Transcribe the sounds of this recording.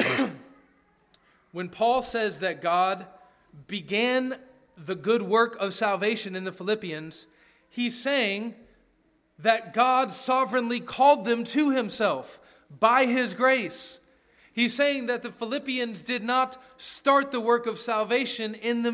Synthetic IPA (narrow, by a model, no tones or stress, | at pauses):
wɨ̃npʰɔlˠsɛzðɨt̚ɡ̥ɑd̚ | bɨɡæ̃n | ðɨɡʊd̚wɜ˞kʌv̥sælˠveɪʃɨ̃nɨ̃nðɨfəlɪpiɨ̃nz̥ | hiz̥seɪɪ̃ŋ | ðɨt̚ɡ̥ɑdsɑvɹɨ̃nlikʰɔlˠd̪̚ðɨ̃mtʰɨɪ̃msɛlˠf | b̥aɪɪzɡɹeɪs | hiz̥seɪɪ̃ŋðɨt̪̚ðɨfəlɪpiɨ̃nzdɨdⁿnət | stɑɹt̪̚ðəwɜ˞kʌv̥sælˠveɪʃɨ̃nɪ̃nðɨ